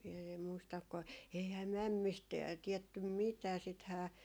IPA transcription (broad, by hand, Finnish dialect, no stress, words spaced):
em muistɑk ko eihæː mæmːist tiɛtːym mitæː sithæː